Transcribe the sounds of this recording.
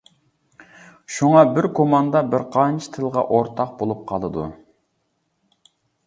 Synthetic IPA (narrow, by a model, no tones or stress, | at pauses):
ʃuŋɑbɪɾkʰomɑnd̪ɑbɪɾqʰɑnt͡ʃʰi̥t̪ʰɨlˠʁɑ̰ʔoɾt̪ʰɑq̚bolˠup̚qʰɑ̰lˠɨd̪ṵ